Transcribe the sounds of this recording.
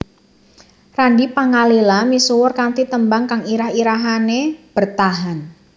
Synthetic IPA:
randipaŋalelamisuwʊrkant̪it̪əmbaŋkaŋiɾahiɾaɦaneb̥ərt̪aɦan

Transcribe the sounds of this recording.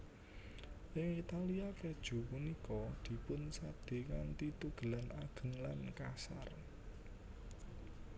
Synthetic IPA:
ʔɪŋit̪aliaked̥ʒ̥ṳpunikɔd̪̥i̤pʊnsad̪̥e̤ŋant̪it̪uɡ̥ə̤lanaɡ̥ə̤ŋlankasa̰r

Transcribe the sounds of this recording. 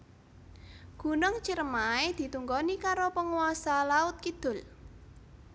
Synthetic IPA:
ɡ̥ṳnʊŋt͡ʃiɾmaed̪̥i̤t̪uŋɡɔnikaɾopəŋuasalaʊt̪̚kid̪̥ʊ̤l

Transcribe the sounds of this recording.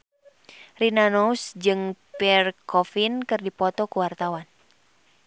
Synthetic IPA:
rinanousd͡ʒɨŋpɛrkɔfinkɨrdipɔt̪ɔkuwart̪awan

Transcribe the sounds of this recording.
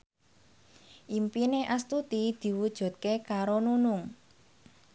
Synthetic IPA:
ʔimpineʔast̪ut̪id̪̥i̤wud̥ʒ̥ṳt̪̚kekaɾonunʊŋ

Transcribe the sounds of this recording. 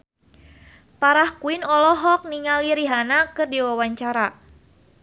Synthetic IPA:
paɾahkuinɔlɔɦɔk̚niŋaliɾiɦanakɨrdiwawaɲt͡ʃaɾa

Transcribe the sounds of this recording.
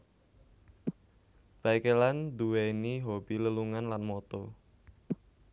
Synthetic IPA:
b̥aikeland̪uweniɦob̥iləluŋanlanmɔt̪ɔ

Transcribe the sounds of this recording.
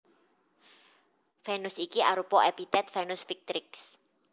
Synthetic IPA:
fɛnʊsikiaɾupɔʔɛpit̪ɛt̪̚fɛnʊsfik̚t̪ɾɪks

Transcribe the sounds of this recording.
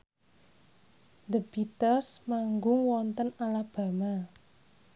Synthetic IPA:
d̪əbit̪ərsmaŋɡʊŋwɔnt̪ənalab̥a̤ma

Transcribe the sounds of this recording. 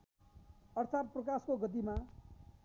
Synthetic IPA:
ʌrt̪ʰat̪̚prʌkaskoɡʌt̪̬ima

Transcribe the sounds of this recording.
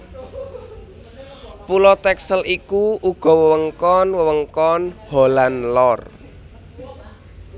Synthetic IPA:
pulɔt̪ɛksəlʔikuʔuɡ̥ɔ̤wəwəŋkɔnwəwəŋkɔnholanlɔr

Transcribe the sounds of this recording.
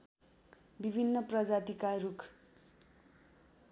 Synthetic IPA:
bibʱinːʌprʌd͡zat̪ikaɾukʰ

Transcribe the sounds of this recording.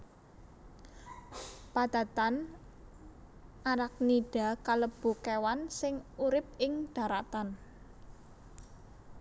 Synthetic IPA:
pad̪̥a̤t̪an | ʔaɾak̚niɖ̥a̤kaləb̥ṳkewansɪŋuɾɪp̚ɪŋɖ̥ä̤ɾat̪an

